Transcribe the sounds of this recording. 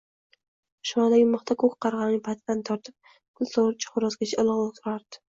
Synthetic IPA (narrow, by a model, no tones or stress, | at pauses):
ʃmɑd̪aɡʲɪmɑχt̪ʰakʰokʲqɑɾʁɑnnɪpʰat̪ʰd̪ant̪ʰɒɾt̪ʰɪp̚ | kʰʊlsoɾt͡ʃʰḁχʊɾɒsɡʲat͡ʃʰaɒlˠɑʁot̪ʰʊɾaɾd̪̥ɪ̥